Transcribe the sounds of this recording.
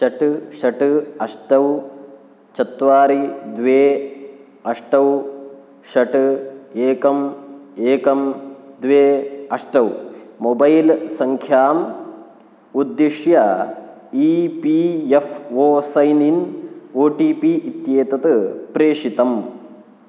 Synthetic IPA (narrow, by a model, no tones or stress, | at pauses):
ʃɐʈɨʃɐʈɨɐʂʈɐw | t͡ʃɐt̪ʋaːɾid̪ʋeː | ɐʂʈɐw | ʃɐʈɨeːkɐmeːkɐmd̪ʋeːɐʂʈɐwmobɐjlsɐŋkʰjaːm | ud̪ːiʂjɐ | iːpiefʰoːsɐjninoːʈiːpiːʔit̪jeːt̪ɐt̪ɨpɾeːʂit̪ɐm